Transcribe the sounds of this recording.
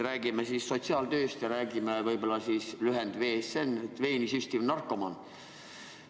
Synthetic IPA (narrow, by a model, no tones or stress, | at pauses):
ɾæːɡ̥imesiːsːo̞t̪siɑːld̪øːst̪jɑɾæːɡimevɤjbo̞lːɑsiːslyɦend̪̥ve̞ːsenːet̪ːve̞ːnisysʲt̪ivnɑrkːˑo̞mɑn